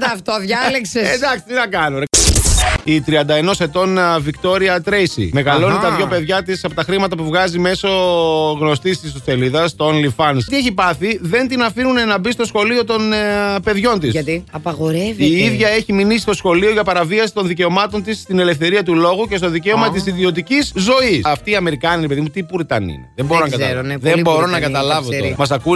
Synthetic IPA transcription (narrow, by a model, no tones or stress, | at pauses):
ɐft̪oðʝɐleksesed̪ɐksi̥t̪inɐkɐnoɾe | it̪ɾiɐnd̪ɐe̞no̞se̞t̪o̞nvikt̪o̞ɾiɐt̪ɾejsḭme̞ɣɐlo̞nit̪ɐðʝo̞pe̞ðʝɐt̪isɐpot̪ɐxɾimɐt̪ɐpuvɣɐzime̞so̞ɣno̞st̪ist̪isost̪e̞liðɐst̪onlifɐnst̪ieçipɐθiðe̞nt̪inɐfinunenɐbist̪o̞sxo̞lio̞t̪o̞npe̞ðʝo̞nt̪isiɐpɐɣoɾeviiiðʝɐe̞çiminisist̪o̞sxo̞lio̞ʝɐpɐɾɐviɐsi̥t̪o̞nðice̞o̞mɐt̪o̞nt̪ist̪ine̞le̞fθe̞ɾiɐt̪ulo̞ɣuce̞st̪oðice̞omɐt̪isiðio̞t̪iciszo̞isɐft̪iːɐme̞ɾikɐniɾepe̞ðimut̪ipuɾit̪ɐ̰nḭneðemboɾonɐɡɐɾnðembo̞ɾo̞nɐɡɐt̪ɐlɐvot̪mɐs̬ɐku